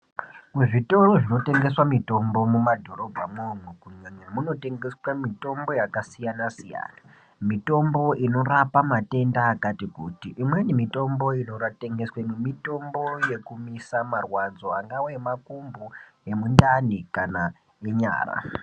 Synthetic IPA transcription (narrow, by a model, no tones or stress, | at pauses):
muʐitoroʐino̞te̞ŋɡe̞swamito̞mbo̞mumadʱo̞ɾo̞bʱamomwekuɲemwemuno̞te̞ŋɡeswamito̞mbo̞jakasijanasija̰ːna | mito̞mbo̞ʔino̞ɾapamate̞ndaːkatikutiʔimwe̞nimito̞mbo̞ino̞rate̞ŋɡeswemwemito̞mbo̞je̞kumisamarwad͡zo̞aŋɡawemakumbue̞mundanikana | eɲa̰ːra̰